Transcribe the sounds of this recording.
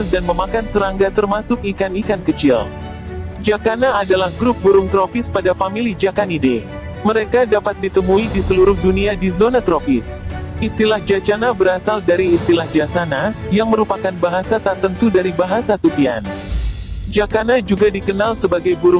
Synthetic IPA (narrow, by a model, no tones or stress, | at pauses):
danməmakansəɾaŋɡat̪ərmasʊkikanikankət͡ʃɪl | d͡ʒakanaːdalahɡɾʊp̚buɾʊŋt̪ɾofɪspadafamilid͡ʒakanide | məɾekadapat̪̚dit̪əmuidisəluɾʊhduniadizonat̪ɾofɪs | ist̪ilahd͡ʒat͡ʃanabəɾasaldaɾiːst̪ilahd͡ʒasanajaŋməɾupakanbaɦasat̪ərt̪ənt̪udaɾibaɦasat̪upia̰n | d͡ʒakanad͡ʒuɡadikənalsəbaɡajbuɾʊ